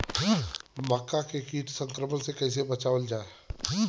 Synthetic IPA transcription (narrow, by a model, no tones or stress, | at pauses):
məkːakekiːʈʰsə̃ŋkɾəmənsekɛːs̬ebət͡ʃaːʋəld͡ʒaːe